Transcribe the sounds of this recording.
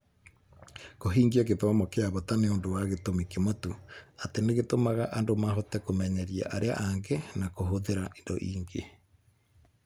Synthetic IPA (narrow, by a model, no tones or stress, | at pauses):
koɦiːŋɡiak̬eðɔmɔkeaβɔtaneondowaɣetomikemotuateneɣetomaɣaʔandomaɦotɛkomɛɲɛɾia̰ʔaɾea̰ʔaŋɡɛnakoɦoðeɾaʔendo̰ʔiːŋɡḛ